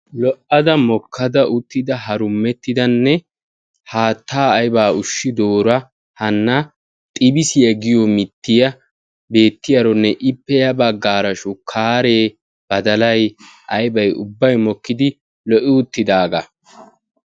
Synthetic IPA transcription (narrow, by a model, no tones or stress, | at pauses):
lɔʔɐd̪ɐmɔkʰːɐd̪ɐʔʊt̪ːɪd̪ɐɦɐɾʊmːɛt̪ːɪd̪ɐnːɛ | haːt̪ːaːjbaːʊʃːɪd̪oːɾɐ | hɐnːɐ | t̪ʼɪbɪsɪjɐɡɪjɔmɪt̪ːɪjɐ | be̞ːt̪ːɪjɐɾɔnːɛʔɪpːɛjɐbɐɡːaːɾɐʃʊkʰaːɾeː | b̥ɐd̪ɐlɐj | ʔɐjbɐjʊbːɐjmɔkːɪd̪ɪ | lɔʔɪʊt̪ːɪd̪aːɡɐ